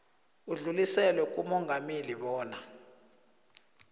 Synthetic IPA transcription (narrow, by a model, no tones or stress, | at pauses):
uɮulisɛlwɛk̬ʼumɔŋɡʱameliɓɔːna